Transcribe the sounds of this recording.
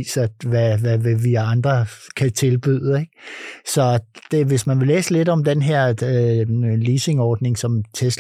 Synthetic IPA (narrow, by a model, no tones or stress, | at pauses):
sɐʋæʋæʋeʋiɑ̈nd̥ʁɐkʰæt͡sʰe̝lb̥y̰ð̰ˠeɡ̥sɒ̽d̥e̝ʋe̝smænʋe̝lḛːsəle̝dɒ̽md̥enɦeɐ̰ | liːse̝ŋɒːd̥ne̝ŋsɒ̽mt͡sʰes